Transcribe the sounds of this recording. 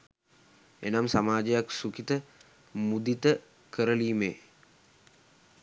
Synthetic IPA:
ḛnamsamaːd͡ʒejaksukit̪ə | mud̪it̪ə | kəɾəliːmḛ

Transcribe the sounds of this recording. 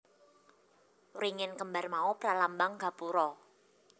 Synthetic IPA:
ɾiŋɪnkəmbarmaupɾalambaŋɡa̤puɾɔ

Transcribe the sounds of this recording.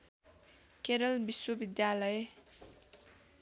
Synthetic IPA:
keɾʌlbiswʌbid̪jalʌj

